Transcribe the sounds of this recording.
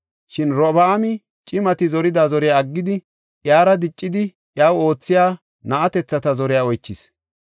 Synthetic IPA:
ʃɪnɾɔbaːmɪ | t͡ʃʼɪmɐt̪ɪzɔɾɪd̪aːzɔɾɪjaːɡːɪd̪ɪ | ʔjaːɾɐd̪ɪt͡ʃʼːɪd̪ɪ | jaːwo̞ːt͡sːɪjaː | nɐʔɐt̪ɛt͡sːɐt̪ɐzɔɾɪjaːɔjt͡ʃːɪs

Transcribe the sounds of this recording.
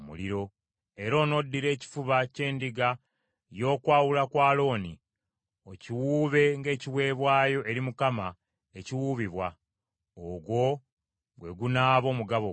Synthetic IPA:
mṵliɾo̞ | e̞ɾo̞ːno̞dːiɾe̞ːci̥fuβace̞ːndiɡa | jo̞ːkwaːwulakwaːlo̞ːni | ociwuːβe̞ŋɡe̞ːciwe̞ːβwaːjo̞ʔe̞ɾimukama | eciwuːβiβwa | oɡwo̞ | ɡwe̞ɡunaːβo̞ːmuɡaβo

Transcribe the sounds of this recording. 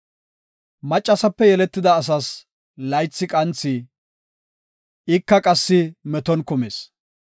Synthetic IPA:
mɐt͡ʃʼːɐsɐpːɛjɛlɛt̪ːɪd̪ɐːs̬ɐs | lɐjt͡sːɪkʼɐnt͡sːɪ | ɪkːɐkʼɐsːɪmɛt̪ɔnkʊmeːs

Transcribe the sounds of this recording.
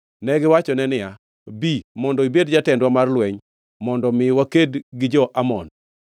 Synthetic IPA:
nɛɡɪwat͡ʃɔnɛnɪja | bimɔndɔibed̚d͡ʒatɛndwamarlwɛɲ | mɔndɔmɪwakedɡɪd͡ʒɔʔamɔn

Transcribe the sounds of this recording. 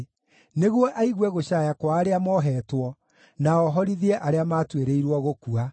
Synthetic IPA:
neɣwɔʔaiɣwɛɣoɕajakwaːɾeamɔɦɛːtwɔ | naɔɦɔɾiðiɛʔaɾeamaːtweɾeiɾwɔɣokua

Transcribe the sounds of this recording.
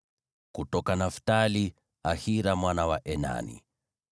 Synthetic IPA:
kutɔkanaftali | ahiɾamwanawaʔɛna̰nḭ

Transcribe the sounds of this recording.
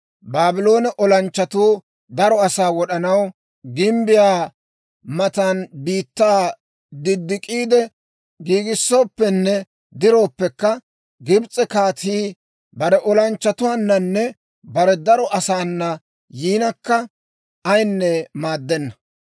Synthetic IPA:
baːbɪlo̞ːnɛʔɔlɐnt͡ʃːɐt̪uː | d̪ɐɾɔɐsaːwɔɗɐnɐw | ɡɪmbɪjaː | mɐt̪anbiːt̪ːaː | d̪ɪd̪ːɪkʼiːd̪ɛ | ɡiːɡɪsːo̞ːpːɛnːɛ | d̪ɪɾo̞ːpːɛkːɐ | ɡɪbt͡sʼɛkaːt̪iː | bɐɾɛʔɔlɐnt͡ʃːɐt̪ʊwaːnːɐnːɛ | bɐɾɛd̪ɐɾɔʔɐsaːnːɐ | jiːnɐkːɐ | ɐjnːɛmaːd̪ːɛnːɐ

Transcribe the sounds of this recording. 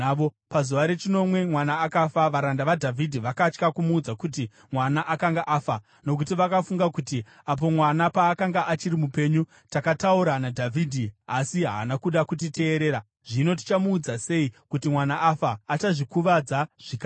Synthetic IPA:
o | pazuʋaɾe̞t͡ʃino̞mwe̞mwanaːkafaʋaɾandaʋadʱavʱidʱiʋakat͡ʃkakumuːd͡zakuti | mwanaʔakaŋɡaʔafa | no̞k̬utiʋakafuŋɡakuti | ap̬o̞mwanapaːkaŋɡaʔat͡ʃiɾimupe̞ɲu | takatauɾanadʱavʱiːdʱiasiɦa̰ːnakuɗakut̬ite̞ːɾe̞ːɾa | ʐ̥ino̞t̬i̥t͡ʃamuːd͡zase̞ikutimwanaʔafaːt͡ʃaʐikuʋad͡zaʐ̥ika

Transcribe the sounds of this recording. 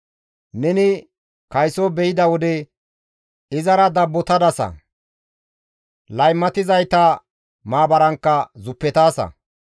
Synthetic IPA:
nɛnɪ | kɐjsobɛjɪd̪ɐwɔd̪ɛ | ɪzɐɾɐd̪ɐbːɔt̪ɐd̪ɐsɐ̰ | lɐjmːɐt̪ɪzɐjt̪ɐ | maːbɐɾɐŋkːɐzʊpːɛt̪aːsɐ̰

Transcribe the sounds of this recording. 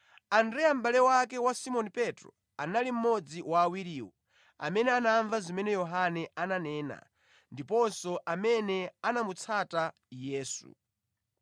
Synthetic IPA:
andɾɛjam̩balɛwakɛwasimɔnipɛtɾɔ̰ | analim̩mɔd͡ziwaːwiɾiːwɔ | a̰mɛnɛanaɱvazimɛnɛjɔɦanɛananɛːna̰ | ndipɔnsɔʔamɛnɛanamut͡sʰata | jɛːsṵ

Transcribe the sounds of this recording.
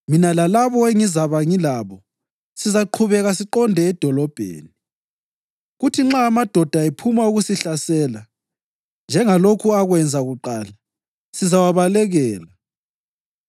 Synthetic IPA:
minalalaβɔeŋizaβaŋilaβɔ | sizaǃʰuβɛɣasiǃɔndʱɛːd̥ʱɔlɔb̥ʱḛːni | ɣutʰiŋ͡ǁaːmad̥ʱɔd̥ʱaepʰumauɣusiɬasɛːla | nd͡ʒʱɛŋalokʰuaɣwɛnd͡zʱaɣuǃaːla | sizawaβalɛɣɛːla

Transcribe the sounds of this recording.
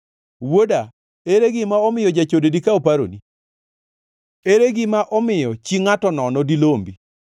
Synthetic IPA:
woda | eɾeɡɪmaɔmɪjɔd͡ʒat͡ʃodedikaopaɾo̰ni | eɾeɡɪmaʔɔmɪjɔt͡ʃiŋatɔnɔnɔdilombi

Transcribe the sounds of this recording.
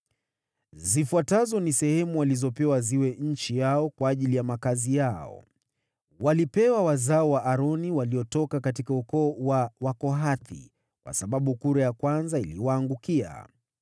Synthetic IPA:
zifuatazɔnisɛhɛmuwalizɔpɛwaziwɛɲ̩t͡ʃijaɔkwaːʄilijamakazijaɔ̰ | walipɛwawazaɔwaʔːɾɔniwaliɔtɔkakatikaukɔːwawakɔɦaθḭ | kwa̰saɓaɓukuɾajakwanzailiwaːŋɡukia̰

